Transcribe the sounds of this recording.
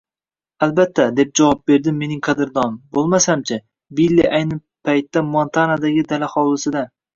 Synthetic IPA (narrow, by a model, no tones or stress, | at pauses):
albat̪ʰːad̪e̞p̚d͡ʒavɒp̚be̞ɾd̪ɪmːe̞nɪŋqʰɑd̪ɪɾd̪ɒnbolˠmasamt͡ʃʰɪ | bilʲːiʔajnɪ | pʰajt̪ːamɒnt̪ʰanad̪aɡʲɪd̪alahɒwlˠɪsɪd̪a